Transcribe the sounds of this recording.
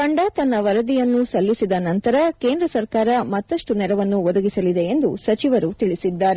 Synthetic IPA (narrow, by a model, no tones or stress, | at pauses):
kɐɳɖat̪ɐnːɐʋɐɾɐd̪ijɐnːusɐlːisid̪ɐnɐnt̪ɐɾɐke̞ːnd̪ɾɐsɐɾkaːɾɐmɐt̪ːɐʂʈunɛɾɐʋɐnːuʋɔd̪ɐɡisɐlid̪e̞end̪usɐt͡ʃiʋɐɾut̪iɭisid̪ːaːɾe